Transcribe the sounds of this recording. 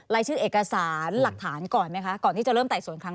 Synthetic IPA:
ɾaː˧˥jt͡ɕʰɯː˥˩ʔeː˨˩ka˧saː˩˦nla˨˩k̚t̪ʰaː˩˦nkɔː˨˩nma˦˥jkʰa˦˥kɔː˨˩nt̪ʰiː˥˩t͡ɕa˨˩ɾɤː˥˩mt̪a˨˩jsu˨˩˦ə˦nkʰɾa˦˥

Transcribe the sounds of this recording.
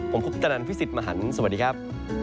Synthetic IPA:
pʰo˩˦mkʰu˦˥p̚t͡ɕ̪a˧na˧npʰi˦˥si˨˩t̪̚maː˧ɦa˩˦nsa˧wa˩diː˧kʰa˦˥p̚

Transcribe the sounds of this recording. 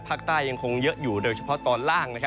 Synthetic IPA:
pʰaː˥˩k̚t̪aː˥˩jːa˧ŋkʰo˧ŋjɤ˦˥ʔjuː˨˩doː˧jt͡ɕʰa˧˩pʰɔ˦˥t̪ɔː˧nlaː˥˩ŋna˦˥kʰ

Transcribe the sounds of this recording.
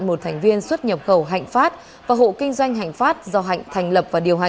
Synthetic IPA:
nmo˨˩t̚t̪ʰjŋ̟vi˧ənswə˦˥t̚ɲə˨˩p̚xə˧˩wɦa̰˧˨jŋ̟faː˦˥t̚ | vaː˨˩ɦo̰˧˨kï˧ŋ̟zwa˧jŋ̟ɦa̰˧˨jŋ̟faː˦˥t̚zɔ˧ɦa̰˧˨ŋ̟t̪ʰɛ˨˩jŋ̟lə˨˩p̚vaː˨˩ɗi˨˩əwɦa˨

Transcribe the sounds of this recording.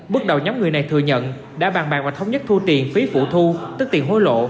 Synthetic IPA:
ɓɨ˦˥ək̚ɗə˨˩wɲɔ˨˦wŋ͡mŋɨ˨˩əjna˨˩jt̪ʰɨ̰˧˨əɲə̰˧˨n | ɗa̰ː˧˥ɓaː˨˩ɓaː˨˩ŋvaː˨˩t̪ʰwŋ͡mɲə˦˥t̚t̪ʰu˧t̪i˨˩ənfi˨˦fṵ˧˨t̪ʰu˧t̪ɨ˦˥k̚t̪i˨˩əŋɦo˨˦jlo̰˧˨

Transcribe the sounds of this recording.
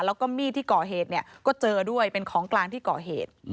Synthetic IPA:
lɛː˦˥wkɔː˥˩miː˥˩t̪ʰiː˥˩kɔː˨˩ɦeː˨˩t̪̚ni˥˩kɔː˥˩t͡ɕɤː˧du˥˩əjpe˧nkʰɔː˩˦ŋklaː˧ŋt̪ʰiː˥˩kɔː˨˩ɦḛː˨˩t̪̚

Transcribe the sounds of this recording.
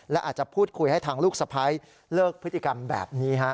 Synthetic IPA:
lɛ˦˥ʔaː˨˩t̪̚t͡ɕa˨˩pʰuː˥˩t̪̚kʰu˧jha˥˩jt̪ʰaː˧ŋluː˥˩k̚sa˧pʰa˦˥j | lɤː˥˩k̚pʰɯ˦˥t̪ːi˨˩ka˧mbɛ̰ː˨˩p̚niː˦˥kʰa˦˥ʔ

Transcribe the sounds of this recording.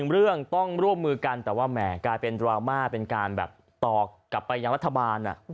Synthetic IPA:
ŋɾɯ˥˩əŋt̪ɔ˥˩ŋɾu˥˩əmːɯː˧ka˧nt̪ɛː˨˩waː˥˩mɛː˨˩klaː˧jpe˧ndɾaː˧wmaː˥˩pe˧nkaː˧nbɛ̰ː˨˩p̚ | t̪ɔː˨˩kːa˨˩pːa˧jːa˧ŋɾa˦˥t̪ʰːa˧baː˧nʔa̰˨˩

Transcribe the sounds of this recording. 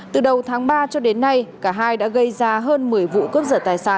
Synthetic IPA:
t̪ɨ˨˩ɗə˨˩wt̪ʰaː˨˦ŋɓaː˧t͡ɕɔ˧ɗe˨˦nːa˧jkaː˧˩ɦaː˧jɗa̰ː˧˥ɣə˧jzaː˧ɦəː˧nmɨ˨˩əjvṵ˧˨kə˦˥p̚zəː˧˩t̪aː˨˩jsaː˧˩n

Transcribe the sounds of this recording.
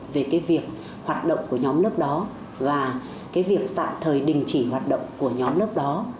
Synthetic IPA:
ve˨˩kaː˨˦jvi˨˩ək̚ | hwaː˨˩t̚ɗə̰˧˨wŋ͡mku˧˩əɲɔ˨˦mlə˦˥p̚ɗɔ˨˦ | vaː˨˩ | kaː˨˦jvi˨˩ək̚t̪a̰ː˧˨mt̪ʰəː˨˩jɗï˨˩ŋ̟t͡ɕi˧˩ɦwaː˨˩t̚ɗə̰˧˨wŋ͡mku˧˩əɲɔ˨˦mlə˦˥p̚ɗɔ˨˦

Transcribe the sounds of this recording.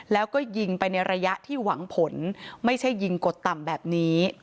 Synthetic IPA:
lɛː˦˥wkɔː˥˩ji˧ŋpa˧jna˧jɾa˧ja˦˥ʔt̪ʰiː˥˩waː˩˦ŋpʰo˩˦nma˥˩jt͡ɕʰa˥˩jːi˧ŋko˨˩t̪ːa˨˩mbɛː˨˩p̚niː˦˥

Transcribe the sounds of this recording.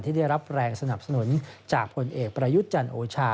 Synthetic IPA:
nt̪ʰiː˥˩a˥˩jɾa˦˥p̚ɾɛː˧ŋsa˧na˨˩p̚sa˧nu˩˦nt͡ɕaː˨˩k̚pʰo˧nʔeː˨˩k̚pɾa˧ju˦˥t̪̚t͡ɕa˧nʔoː˧t͡ɕʰaː˧

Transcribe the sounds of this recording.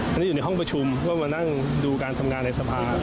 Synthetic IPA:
ʔa˧niː˦˥juː˨˩na˦jɦɔ˥˩ŋp̬ɾa˧t͡ɕʰu˧mkɔː˥˩ma˧na˥˩ŋ | duː˧kaː˧nt̪ʰa˧mŋaː˧nːa˧jsa˧pʰaː˧

